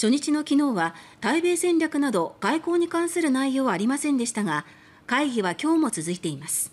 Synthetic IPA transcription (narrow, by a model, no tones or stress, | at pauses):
ɕo̞ɲ̟it͡ɕino̞kʲino̞ːβat̪aibe̞ːsẽ̞nɾʲjakɯ̟nad̪o̞ɡ̥aiko̞ːɲ̟ikãɰ̃sɨɾɯ̟naijo̞ːβaːɾʲimasẽ̞nd̪e̞ɕi̥t̪aɡa | kaiɡʲiβakʲo̞ːmo̞t͡sɨzɨit̪e̞imasɨ̥